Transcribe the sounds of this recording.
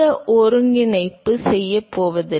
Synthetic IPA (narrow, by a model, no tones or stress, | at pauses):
ɐʔɔɾɯŋɡɪnɐɪpːɯsɛjːɐpːoːʋɐðɯ